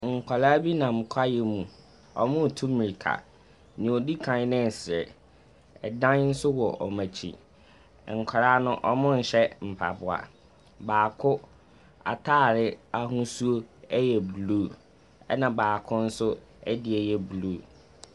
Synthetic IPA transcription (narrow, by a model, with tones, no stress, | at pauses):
ŋ̩˨kʰa˨la˦bi˦nã˨m˨kʷʰa˦jɛ˨mũ˨ | ɔ˨mʊ̃˦˨tʰũ˦mĩ˨i˨kʰa̰˨ | nĩ˨ɔ˨di˦kʰã˨˦nɪ̃˦n˨sɾɛ̰˨ | ɛ˨dã˦n̩˦sʊ˦wɔ˨ʔɔ˨mã˨t͡ɕʰḭ˨ | ŋ̩˨kʰa˨ɾaː˦nʊ̃˦ʔɔ˦mʊ̃˦n̩˨ɕɛ˦m̩˨pʰa˨bʊ˨a̰˨ | baː˨kʰʊ˦ | a̰˨tʰaː˦˨ɾɪ˦a˦ɦũ˦su˦o˦ɛ˦jɛ˨bluː˦ | ɛ˦nã˨baː˨kʰʊ̃˦n̩˦sʊ˦ | ɛ˦dɪ˨ɛ˨jɛ˦blu˦